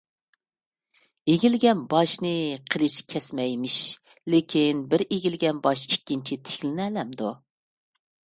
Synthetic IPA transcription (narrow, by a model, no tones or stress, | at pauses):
eɡʲilɡʲɛnbɑʃnɨqʰəlˠɨʃkʲʰɛsmɛjmɪʃ | lɪkʲʰinbɪɾeɡʲilɡʲɛnbɑʃikʲːint͡ʃʰit̪ʰe̥kʲlɪnɛlɛmd̪u